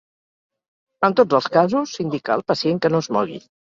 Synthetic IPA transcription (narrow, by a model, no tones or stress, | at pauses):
ənt̪od͡zəlˠskazusind̪ikə̰ːlˠpəsieŋkənozmɔɣḭ